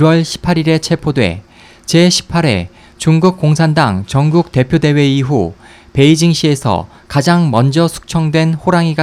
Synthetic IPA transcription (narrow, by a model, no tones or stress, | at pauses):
wʌɭɕʰi̥pʰaɾiɾe̞t͡ɕʰe̞pʰodwe̞̰ | t͡ɕe̞ɕʰi̥pʰaɾe̞̰ | t͡ɕuŋɡuk̚k͈oŋsʰandaŋt͡ɕʌŋɡuk̚te̞pʰjode̞we̞iɦu | pe̞id͡ʑiŋɕ͈ʰie̞sʰʌ̰ | kad͡ʑaŋmʌnd͡ʑʌsʰu̥k̚t͡ɕʰʌŋdwe̞nɸoɾaŋiɡa